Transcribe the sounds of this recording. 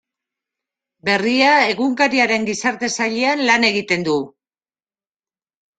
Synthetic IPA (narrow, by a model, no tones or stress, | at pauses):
be̞riae̞ɣuŋkaɾiaɾe̞ŋɡisaɾt̪e̞saʎeanlane̞ɣ̞it̪e̞nd̪u